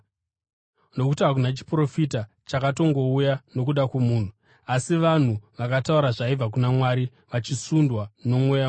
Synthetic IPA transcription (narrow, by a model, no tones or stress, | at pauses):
nokutiak̬unat͡ʃi̥pro̞fita | t͡ʃakato̞ŋɡo̞ujano̞kuɗakwemuːn̤u | asiʋan̤uʋakatauɾaʐaib͡vak̬unamwaːɾi | ʋat͡ʃisundwano̞mweja